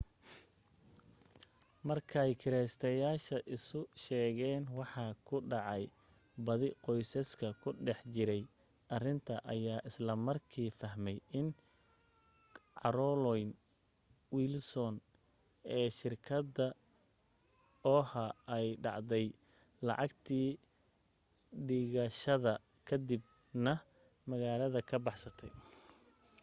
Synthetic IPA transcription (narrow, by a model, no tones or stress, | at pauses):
mɐrkʰɐɛjkʰɪɾɛːst̪ʰɐjaːʃɐʔɪsʊʃɛːɣɛːnwɑħɑːkʰʊɖɑʕɑj | bɐðɪqɔjsɐskʰɐkʰʊɖɛħt͡ʃɪɾɛj | ʔɐrɪnt̪ʰɐʔɐjaːʔɪslɐmɐrkʰiːfɐɦmɛjɪn | ʕɑ̰ɾɔlɔjn | wiːlsɔn | ɛːʃɪrkʰɐd̪ɐ | ɔːhɐɛjɖɑ̰ʕd̪ɛj | lɑ̰ʕɑɡt̪ʰiː | ɖɪɣɐʃɐðɐ | kʰɐd̪ɪb̚ | nɐ | mɐɣaːlɐðɐkʰɐbɑħsɐt̪ʰɛj